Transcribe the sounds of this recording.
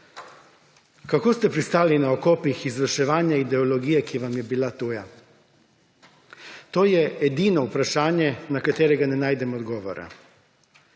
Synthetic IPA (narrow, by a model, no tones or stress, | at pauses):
kakoːst̪ɛpɾist̪aːlinaɔkoːpixizʋəɾʃɛʋaːnjaid̪ɛolɔɡijɛkiʋamjɛbilat̪uːja | t̪oːjɛːd̪iːnɔupɾaʃaːnjɛnakat̪eːɾɛɡanɛnaːjd̪ɛmɔɔd̪ɡɔːʋɔ̰ɾa̰